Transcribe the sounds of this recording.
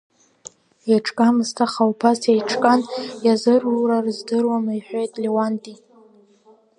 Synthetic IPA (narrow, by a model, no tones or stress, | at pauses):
aʈ͡ʂʰʼkʼamɨstʰaχawpʰasejʈ͡ʂʰkʼanjazɨrurarɨzdɨrwamaiħʷᶣojtʼlewantʼi